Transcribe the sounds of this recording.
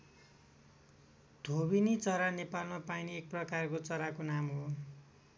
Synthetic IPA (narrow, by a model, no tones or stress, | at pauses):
d̪ʱobinit͡sʌɾanepalmapajniek̚prʌkarkot͡sʌɾakonamɦo